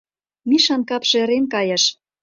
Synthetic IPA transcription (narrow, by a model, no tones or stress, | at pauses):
miʃɑnkɑpʃĕĕɾenkɑjɤ̆ʃ